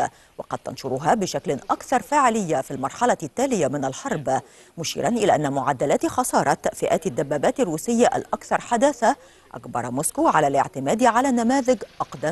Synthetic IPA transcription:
wɑqɑd̪̚t̪ɑ̰nʃʊɾʊɦaːbɪʃaklɪnʔɑkθɑɾˤfaːʕɪlɪjːafilmɑɾˤħɑlɑt̪ːæːlɪjamɪnalħɑɾˤb | mʊʃḭːɾʔɑnʔɪlæːʔanːæmʊʕad̪ːalaːt̪xɑsˤɑːɾˤɑt̪fɪʔæːt̪ad̪ːabːæːbaːt̪arːuːsɪjːaʔa̰lʔɑkθɑɾˤħad̪aθa | ʔa̰kbɑ̰ɾˤmʊːskuʕalæːlɪ̰ʕt̪ɪmæːd̪ʕalæːnːamaːðɪɡʔɑqd̪a

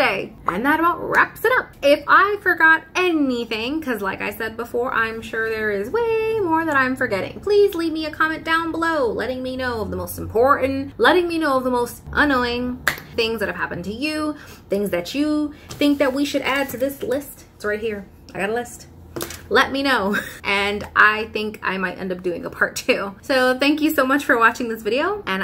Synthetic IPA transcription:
eɪʔɨ̰̃nðəɾəbaʊt̚ɹæ̰psɨɾʌp̚ɪfaɪfə˞ɡɑɾɛniθɪ̃ŋkʰʌzlaɪka̰ɪsɛd̚bəfɔɹʔã̰ɪ̃mʃʊɹðə˞ɪzweɪmɔɹðɨ̃ɾãɪ̃ɱfə˞ɡɛɾɪ̰̃ŋpʰl̥izlid̚miɨkʰɑmɛ̃nd̥ãʊ̃nbəloʊlɛ̰ɾɪ̃ŋminoʊʌvðəmoʊstm̩pʰɔɹʔn̩lɛɾɪ̃ŋminoʊʌvðəmoʊstʔʌ̃nːoʊɪ̃ŋθɪ̃ŋzðɨt̚hɨv̥ɦæpɨ̃n̩tʰɨjʉ | θɪ̃ŋzðɨt͡ʃɨθɪ̃ŋk̚ðɨt̚wiʃɨɾæd̚tʰɨðɪslɪstɪtsɹaɪt̚hiɹ | aɪɡɑɾəlɪst | lɛt̚minoʊʔɨ̃nʔaɪθɪ̃ŋkʰa̰ɪmaɪɾʔɛ̰̃ndʌp̚d̥ʉɪ̃ŋə̰pʰɑɹtʰʉsoʊθæ̃ŋk̬jɨsoʊmʌt͡ʃfə˞wɑt͡ʃɪ̃ŋðɪsvɪɾioʊʔɨ̃n

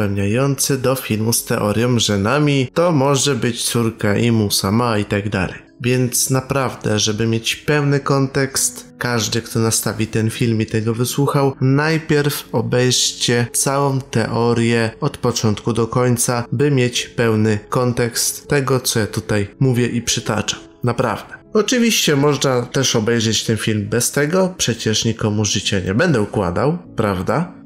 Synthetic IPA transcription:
ɛwɲajɔnt̪sɘd̪ɔfʲilmust̪ɛʔɔɾʲjɔ̃mʐɛnamʲit̪ɔmɔʐɛbɘt͡ɕt̪suɾkaʔimusamait̪aɡd̪a̰lɛ̰jvʲjɛnt̪snapɾavd̪ɛ̰ʐɛbɘmʲjet͡ɕpɛwnɘkɔnt̪ɛkst̪kaʐd̪ɘkt̪ɔnast̪avʲit̪ɛnfʲilmit̪ɛɡɔvɘswuxawnajpʲjɛɾfɔbɛjʂt͡ɕɛt̪sawɔ̃w̃t̪ɛʔɔɾjɛɔt̪pɔt͡ʂɔnt̪kud̪ɔkɔɲt̪sabɘmʲjet͡ɕpɛwnɘkɔnt̪ɛkst̪ːɛɡɔt̪sɔjat̪ut̪ajmuvʲjɛʔipʂɘt̪a̰t͡ʂḁ | napɾa̰vd̪ɛɔt͡ʂɨvʲiɕt͡ɕɛmɔʐnat̪ɛʂɔbɛjʐɛt͡ɕt̪ɛnfʲilmbɛst̪ɛɡɔpʂɛt͡ɕɛʂɲikɔmuʐɘt͡ɕɛɲɛ̰bɛnd̪ɛukwa̰d̪awpɾavd̪a

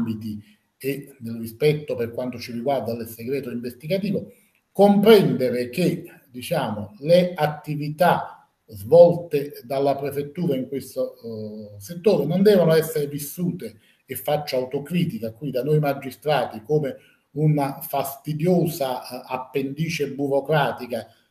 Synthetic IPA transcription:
mbit̪i | ed̪elrispɛt̪ːoperkwant̪ot͡ʃiriɡward̪alɪseɡɾɛːt̪oiɱvest̪iɡat̪iːvo | kompɾɛnd̪eɾɪk̟e | d̪it͡ʃaːmoleat̪ːivit̪a | zvɔlt̪ɪd̪alːapɾefet̪ːuːɾaiŋkwest̪o | set̪ːoːɾenond̪ɛːvanoɛsːeɾɪvisːuːt̪eː | fːat͡ʃːaawt̪okɾiːt̪̬ikakwid̪anojimad͡ʒːist̪ɾaːt̪ikoːmɪ | unafast̪id̪joːzaapːend̪iːt͡ʃebuɾokɾaːt̪ika

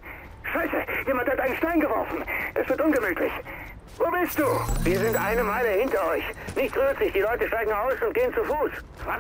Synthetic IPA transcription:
ʃaɪsəjeːmanthatʔaɪnən̩ʃtaɪnɡəvɔɐfn̩ʔɛsv̥ɪɐtʔʊnɡəmyːtʰlɪç | voːbɪst̚d̥uːviːɐzɪntʔaɪnəmaɪləhɪntɐɔʏçnɪçtʁyːɐtz̥ɪçd̥iːlɔʏtəʃtaɪɡŋ̩aʊsʊnt̚ɡ̥eːənt͡sufuːs | va

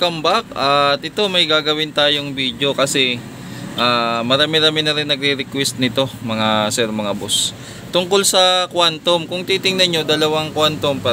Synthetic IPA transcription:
kɐmbak̚ɐt̪ʔɪt̪o̞mɐjɡaːɡɐwɪnt̪aːjo̞ŋbiːd̪jo̞kɐsɛ | ʔaːmɐɾaːmɪɾaːmɪnɐɾɪnːɐɡ̚ɾɪɾɪkwɛst̪̚nɪt̪o̞mɐŋasɛɾmɐŋabos | t̪ʊŋko̞lsɐkwant̪o̞mkʊŋt̪iːt̪ɪŋnɐnɲo̞d̪ɐlɐwaŋkwant̪ompa

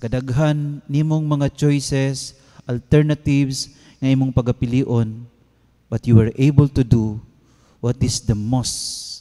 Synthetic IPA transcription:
kɐd̪ɐɡɦanːimoŋmɐŋat͡ʃojsɛs | ʔɐlt̪ɛɹnɐt̪ivs | ŋɐʔimoŋpɐɡ̚kːɐpɪliːʔon | bɐt̪juwɛɹʔejbəlt̪ʊd̪u | wɔt̪ɪsd̪ɐmos

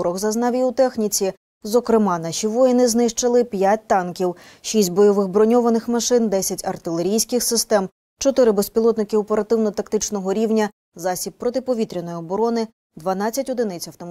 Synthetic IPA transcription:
ɾɔɣzɐznɑʋʲiut̪ɛxnʲit͡sʲi | zɔkɾɪmɑnɑʃiʋɔjinɪznɪʃt͡ʃɐlˠɪpʲjat̚ʲt̪ɑnkʲiw | ʃisʲtʲbɔjɔʋɪɣbɾɔnʲɔʋɐnɪxmɐʃɪnd̪ɛsʲɐtʲɐrt̪ɪlˠeɾʲijsʲkɪxsɪst̪ɛm | t͡ʃɔt̪ɪɾɪbespʲilˠɔt̪nɪkɪɔpeɾɐt̪ɪwnɔt̪ɐkt̪ɪt͡ʃnɔɦɔɾʲiwnʲɐ | zɑsʲib̚pːɾɔt̪ɪpɔʋʲit̪ɾʲɪnɔjɔbɔɾɔnɪ | d̪ʋɐn̪ɑt͡sʲːɐtʲɔd̪ɪnɪt͡sʲɐwt̪ɔm

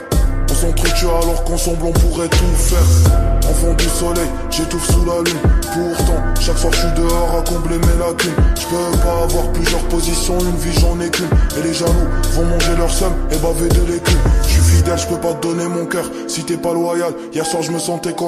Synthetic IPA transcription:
ɔ̃sɑ̃t̪χət͡ʃyalɔʁkɑ̃sɑ̃blɔ̃puʁɛt̪ufɛʁɑ̰̃fɑ̃d̪ysɔlɛj | ʒet̪uvsulalynpuʁt̪ɑ̃ʃakfwaʒəʃɥid̪əɔʁakɔ̃blemelakʲynʒ̥əpøpaːvwaʁplyzjœʁpozisjɔ̃ynviʒɑ̃nekʲymeleʒalufɔ̃mɑ̃ʒelœʁsɔmebaved̪əlekʲymʃɥifid̪ɛlʒəpøpad̪ɔnemɔ̃kœʁ | sit̪ɛpalwajal | jɛʁswaʁʒəməsɑ̃t̪ɛkɔ̃

